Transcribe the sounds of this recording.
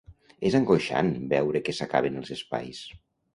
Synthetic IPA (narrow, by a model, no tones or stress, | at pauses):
ezəŋɡoʃa̰nbɛwɾəkəsəka̰βenəlˠzəspa̰js